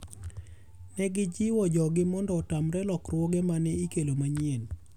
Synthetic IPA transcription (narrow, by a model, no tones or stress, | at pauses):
nɛɡɪd͡ʒiwɔd͡ʒɔɡɪmɔndɔtamɾɛlɔkrwoɡemanɛikelomaɲen